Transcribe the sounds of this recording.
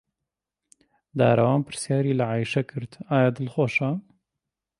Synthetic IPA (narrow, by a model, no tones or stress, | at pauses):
d̪a̰ːɾɐwaːnpɨɾsjaːɾiːlaʕaːjʃɐkʰɨɾt̪aːjad̪ɨlxoːʃɐ